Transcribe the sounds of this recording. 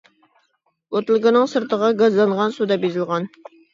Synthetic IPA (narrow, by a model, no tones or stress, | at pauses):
ot̪lˠɡənɨŋsɨɾt̪ʰəʁɑɡɑzlˠɑŋʁɑnsud̪ɑbezɪlˠʁɑn